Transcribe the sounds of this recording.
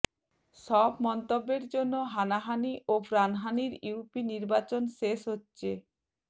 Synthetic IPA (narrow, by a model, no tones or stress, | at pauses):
ʃɔbmɔnt̪obːeɾd͡ʑonːoɦanaɦaniʔopɾanɦaniɾiwpiniɾbat͡ɕonʃeʃɦotːɕʰe